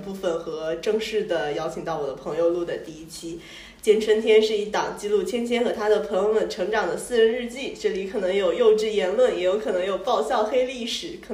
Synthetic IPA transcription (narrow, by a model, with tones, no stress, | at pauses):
pu˥˩fə˩nxɤ˧˥ʈ͡ʂɤ˥˧ŋʂɻ̩˥˩d̪ə˩jɑ˥ʊt͡ɕʰi˨˩ŋt̪ɑ˥˩ʊwɔ˨˩d̪ə˦pʰɤ˧˥ŋjo˧ʊlu˥˩d̪ə˩t̪i˥˩i˥t͡ɕʰi˥ | t͡ɕjɛ˥nʈ͡ʂʰə˥nt̪ʰjɛ˥nʂɻ̩˥˧i˧˥t̪ɑ˨˩ŋt͡ɕi˥˧lu˥˩t͡ɕʰjɛ˥nt͡ɕʰjɛ˥nxɤ˧˥t̪ʰa˥d̪ə˨pʰɤ˧˥ŋjo˧ʊmə˥˩nʈ͡ʂʰɤ˧˥ŋʈ͡ʂɑ˨˩ŋd̪ə˦sɹ̩˥˧ɻə˧˥nɻ̩˥˧t͡ɕi˥˩ʈ͡ʂɤ˥˩li˧˥kʰɤ˨˩nɤ˧˥ŋjo˨˩ʊjo˥˧ʊʈ͡ʂɻ̩˥˩jɛ˧˥nlwə˥˩njɛ˨˩jo˥˧˥ʊkʰɤ˨˩nɤ˧˥ŋjo˨˩ʊpɑ˥˧ʊɕjɑ˥˧ʊxe˥ɪli˥˩ʂɻ̩˨˩˦kʰ